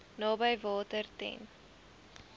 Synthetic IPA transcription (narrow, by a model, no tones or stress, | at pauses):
nɑːbəjvɑːtərtɛ̰n